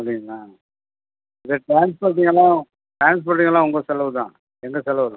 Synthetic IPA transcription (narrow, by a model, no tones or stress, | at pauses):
ɐɐpɐɽɪŋɡɐlãː | ɪðɐʈɾaːnspɐːɾʈ̪ːiːŋɡɐlːãː | ʈɾaːns̬pɐːɾʈ̪̬ːiŋɐlːãːʊŋɡosɛlːɐʋɯt̪ãː | ɛŋɡɐsɛlːɐʋɐɾɯ̃